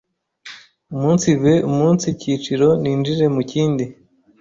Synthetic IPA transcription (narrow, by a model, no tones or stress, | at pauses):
umuːnsiβeʔumuːnsiciːt͡ʃiɾo̞niːnd͡ʒiɾe̞muciːndi